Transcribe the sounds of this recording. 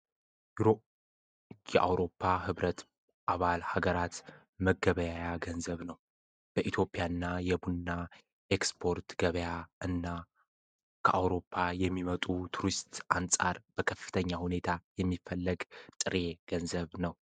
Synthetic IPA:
jɛʔa̰wɾo̞pʰːahɨβɾət̪ | ʔaβalhaɡəɾat̪ | məɡəβəjajaɡənzəβnəw | b̥əʔit̪ʰjo̞pʼjanːajɛbunːa | ʔekspʰo̞ɾt̪ɡ̥əβəjaɨnːa | kʰəʔawɾo̞pʰːajɛmːimət̪ʼut̪ʰuɾist̪ʔansʼa̰ɾb̥əkʰəfːɨ̥t̪ʰəɲːahune̞t̪ʰajɛmːifːəlːəɡt̪ʼɨɾe̞ɡ̥ənzəβnəw

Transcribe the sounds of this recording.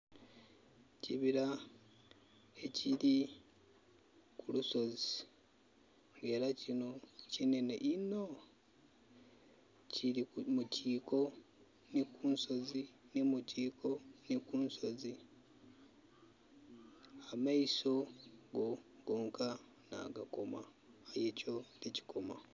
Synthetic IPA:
ciβiɾa | e̞cili | kuluso̞zi | ŋɡe̞ɾacino̞cine̞neʔino̞ | cʰiɾimucʰiːko̞ | nikuːnso̞zinimuciːkʰo̞nikuːnso̞zi | amaiso̞ɡoɡ̥o̞ːŋkʰa | na̰ɡako̞ma | ajecolici̥kʰo̞ma̰

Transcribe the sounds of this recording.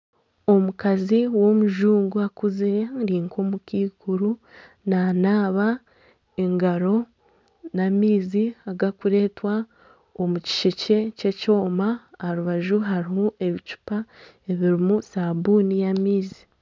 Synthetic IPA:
o̞mukaziwo̞muʒuːŋɡuakuziɾeŋɾiːŋkomukiːkuɾu | nanaːβa | eŋɡaɾo̞ | namiːziaɡakuɾe̞ːtwa | omuci̥ʃece̞ce̞co̞ːmahaɾuβaʒuɦaɾihoʔe̞βit͡ʃu̥pa | e̞βiɾimusabunijamiːzi̥

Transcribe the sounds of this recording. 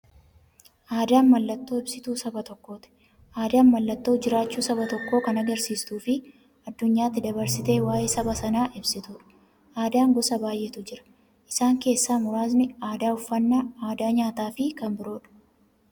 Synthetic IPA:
ʔaːd̪aːnmɐlːɐt̪ːo̞ːɪbsɪt̪uːsɐbɐt̪ɔkːo̞ːt̪ɪ̥ | ʔaːd̪aːnmɐlːɐt̪ːo̞ːd͡ʒɪɾaːt͡ʃːuːsɐbɐt̪ɔkːoːkɐnɐɡɐɾsiːst̪uːfɪ | ɐd̪ːʊɲːaːt̪ːɪd̪ɐβɐɾsɪt̪e̞ːwaːjeːsɐbɐsɐnaːʔɪbsɪt̪ʊᶑʊ̥ | ʔaːd̪aːŋɡɔsɐbaːjʔɛt̪ʊd͡ʒɪɾɐ̥ | ʔɪsaːŋke̞ːsːaːmʊɾaːzmɪaːd̪aːʊfːɐnːaːaːd̪aːɲaːt̪aːfɪkɐmbɪɾo̞ːᶑʊ̥

